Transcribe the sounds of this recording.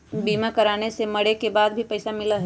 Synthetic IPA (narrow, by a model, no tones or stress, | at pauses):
biːmakɐɾaːnesemɐɽekebaːd̪̚bʱipɐɪsamɪlaɦ